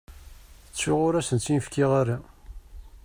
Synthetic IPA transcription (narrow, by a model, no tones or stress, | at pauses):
ət͡sːʊʁʊɾæsənt͡sːinfkɪʁaɾa